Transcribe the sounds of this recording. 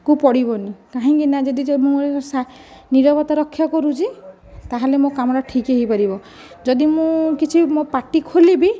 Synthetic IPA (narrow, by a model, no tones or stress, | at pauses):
kupɔɽibɔnikaɦĩŋkinad͡ʒɔd̪id͡ʒɔmũesaniɾɔbɔt̪ɔɾɔkʰːjɔkɔɾut͡ʃʰi | t̪aɦelemõkamɔɾɔʈʰikeɦipaɾibɔ | d͡ʒɔd̪imũkit͡ʃʰimopaʈikʰolibi